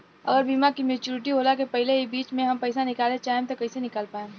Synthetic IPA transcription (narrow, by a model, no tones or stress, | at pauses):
ɐ̰ɡəɾbiːmakimeːt͡ʃuːɾɪʈ̬iɦoːlakepɐɦɪleɦibiːt͡ʃmẽɦɐmpɐɪsanɪkaːlẽt͡ʃaːẽmt̪okɐɪsenɪkaːlpaːẽ